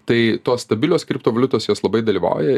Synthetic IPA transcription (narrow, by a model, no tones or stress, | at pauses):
t̪ɐɪt̪oːsst̪ɐbʲɪlʲoːskɾʲɪp̚t̪oːʋɐlʲʊt̪oːsjoːslˠɐbɐɪd̪ɐlʲiːʋɐ̰ˑʊjɛ